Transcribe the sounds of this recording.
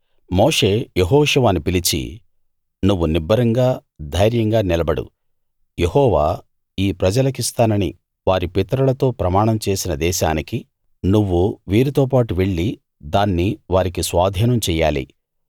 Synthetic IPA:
moːʂe̞ːjeɦɔːʂɐʋaːnipilit͡ʃḭ | nuʋːunibːɐɾɐŋɡaːd̪ʱɐjɾjɐŋɡaːnilɐbɐɽṵ | jehɔːʋaː | iːpɾɐd͡ʒɐlɐk̬ist̪aːnɐnḭ | ʋaːɾipit̪ɐɾulɐt̪o̞ːpɾɐmaːɳɐmt͡ʃe̞ːsinɐd̪ɛːʃaːniki | nuʋːuʋiːɾit̪oːpaːʈuʋeɭːi | d̪aːnːiʋaːɾikisʋaːd̪ʱiːnɐmt͡ʃɛːjːaːlḭ

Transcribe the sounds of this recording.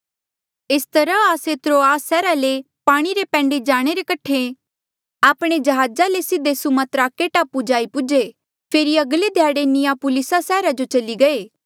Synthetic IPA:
ɪst̪ɐɾãaːset̪ɾoːaːsɛːɾale | paːɽ̃iɾepɛ̃ːɳɖed͡ʒaːɽ̃eɾekɐʈʰe | aːpɽ̃ed͡ʒɐɦaːd͡ʒalesɪd̪eːsumãt̪ɾaːkːeʈaːpud͡ʒaːipʊd͡ʒe | pʰeːɾiɐɡled̪ʱjaːɽenɪjapʊlɪsasɛːɾad͡ʒot͡ʃɐliɡɐeː

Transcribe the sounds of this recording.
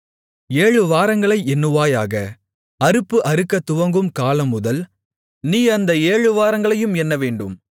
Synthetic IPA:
eːɻɯʋaːɾɐŋɡɐɭɐɪɛnːɯʋaːjaːɣɐ | ɐɾɯpːɯʔɐɾɯkːɐt̪ːʊʋɐŋɡɯmkaːlɐmːʊðɐl | niːɐnd̪ɐeːɻɯʋaːɾɐŋɡɐɭɐjɯmɛnːɐʋeːɳɖɯm

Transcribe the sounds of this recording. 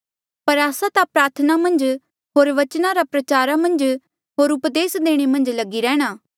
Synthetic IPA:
pɐɾaːsãt̪ãpɾaːɾt̪ʰənamɐ̃nd͡ʒ | ɦoːɾʋɐt͡ʃnaɾapɾɐt͡ʃaːɾamɐ̃nd͡ʒ | ɦoːɾʊpd̪eːsd̪eːɽ̃emɐ̃nd͡ʒlɐɡiɾɛːɽ̃aː

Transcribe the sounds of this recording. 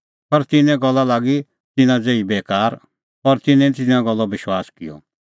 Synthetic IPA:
pɐɾt̪ɪnɛ̃ɡɔlːalaːɡi | t̪ɪnãd͡zeːibeːkaːɾ | ɔɾt̪ɪnɛ̃t̪ɪnãɡɔlːɔbɪʃwaːskɪ̰jɔ̰

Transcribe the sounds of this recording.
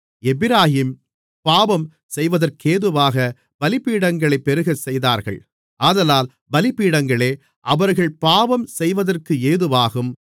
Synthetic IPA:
ɛbɪɾaːhiːm | paːʋɐm | sɛjʋɐðɐrkeːðɯʋaːɣɐ | bɐlɪpːiːɽɐŋɡɐɭɐɪpːɛɾɯɣɐsɛjðaːɾɣɐ̰ɭ | ʔaːðɐlaːl | bɐlɪpːiːɽɐŋɡɐɭeː | ʔɐʋɐɾɣɐɭpaːʋɐmsɛjʋɐðɐrkɯeːðɯʋaːɣɯm

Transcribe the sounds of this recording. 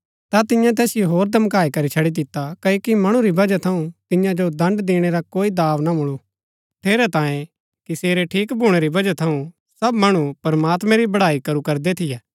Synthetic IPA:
t̪at̪ɪjãt̪ɛːsɪjoɦoːɾd̪ʱɐmkaːikɐɾit͡ʃʰɐɽid̪ɪt̪ːakɐkimɐɽ̃ũɾibɐd͡ʒat̪ʰɐũt̪ɪjãd͡ʒod̪ɐ̃ɳɖd̪eːɽ̃eɾakoːid̪aːʋnamʊɭu | ʈʰeːɾɛt̪ãːjẽ | kiseːɾeʈʰiːkbʱuɽ̃eɾibɐd͡ʒat̪ʰɐũ | sɐbmɐɽ̃upɐɾɐmaːt̪mɛ̃ɾibɐɽaːikɐɾukɐɾd̪et̪ʰɪjɛː

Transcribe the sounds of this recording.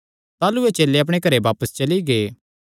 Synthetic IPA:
t̪aːluet͡ʃeːlːeɐp̬ɽ̃ekɐɾebaːpəst͡ʃɐliɡeː

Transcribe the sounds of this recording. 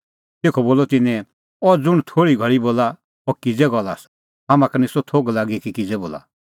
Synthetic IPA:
t̪eːkʰɔboːlɔt̪ɪnɛ̃ | ɔd͡zʊɽ̃t̪ʰoːɽiɡʱɐɾiboːla | ɔkɪd͡zɛɡɔlaːs | ɦaːmãkɐnisɔt̪ʰoːɡlaːɡikikɪd͡zɛboːla̰

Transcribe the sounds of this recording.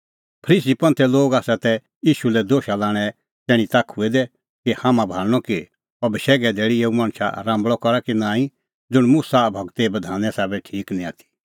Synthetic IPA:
pʰɾiːs̬ipɐ̃nt̪ʰɛloːɡaːsat̪ɛ | jiːʃulɛd̪oːʃalaːɽ̃ɛ | t̪ɛːɽ̃ĩt̪akʰʊɛd̪ɛ | kihãːmãbʱaːlñɔki | ɐbɪʃɛːɡɛd̪eːɽieːumãːɽ̃ʃa̰ɾãːmbɭɔkɔɾakinãːĩ | d͡zʊɽ̃mʊsabʱɔɡt̪ebɐd̪ʱaːnɛ̃saːbɛʈʰiːknĩaːt̪ʰi̥

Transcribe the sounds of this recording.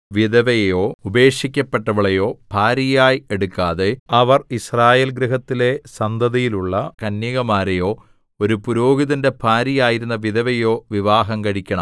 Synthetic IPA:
ʋiðɐʋejo̞ːube̞ːʂikʲːɐpːeʈːɐʋɐɭejo̞ːpʰaːɾijaːjieɽukːaːðeɐʋɐrisraːje̞ːlɡɾiɦɐt̪ːile̞sɐnd̪ʱɐðijiluɭːɐkɐnːiɣɐmaːɾejo̞ː | o̞ɾupuɾo̞ːɡiðinde̞pʰaːɾijaːjiɾunːɐʋiðɐʋejo̞ːʋiʋaːɦɐŋkɐɻikʲːɐɳɐm

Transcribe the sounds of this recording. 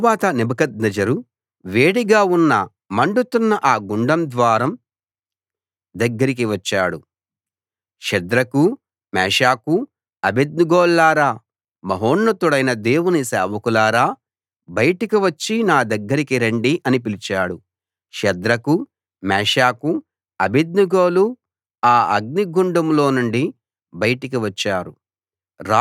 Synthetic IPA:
baːt̪ɐnibɐkɐd̪̚nɐd͡ʒɐɾu | ʋeːɽiɡaːunːɐ | mɐɳɖut̪unːɐʔaːɡuɳɖɐmd̪ʋaːɾɐm | d̪ɐɡːɐɾik̬iʋɐt͡ʃːaːɽu | ʃɐd̪ɾɐku | mɛːʃaːku | ɐbed̪̚nuɡɔːlːaːɾaː | mɐɦoːɳːɐt̪uɽɐjnɐd̪e̞ːwunisɛːʋɐkulaːɾaː | bɐjʈikiʋɐt͡ʃːinaːd̪ɐɡːɐɾikiɾeɳɖiʔɐnipilit͡ʃaːɽu | ʃɐd̪ɾɐku | mɛːʂaːku | ɐbid̪̚nuɡoːlu | aːɐɡ̚niɡuɳɖɐmlo̞ːnuɳɖi | bɐjɐʈikiʋɐt͡ʃːaːɾu | ɾa

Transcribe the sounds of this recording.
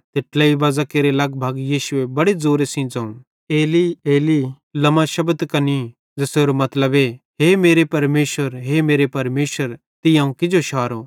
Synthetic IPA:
t̪eʈlaiʋaːzakeːɾelɐɡbʱaːɡjiːʃʊebɐɽed͡zoːɾesĩd͡zɐ̃ːũ | eːlieːli | lɐmaʃɐbd̪kɐni | d͡zɐseːɾomɐt̪ləbe | ɦeːmeːɾepɐɾmeːʃwəɾɦeːmeːɾepɐɾmeːʃwəɾ | t̪ɪjãːũkɪd͡ʒoʃʰaːɾo

